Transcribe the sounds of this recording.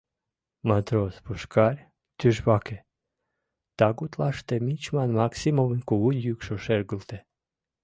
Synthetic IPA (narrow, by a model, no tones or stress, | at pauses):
mat̪ɾospuʃkɑɾʲ | t̪yʒβɑke | t̪ɑɡut̪lɑʃt̪emit͡ʃmɑnmaksimovənʲkuud̪ʲjykʃoʃerɡult̪e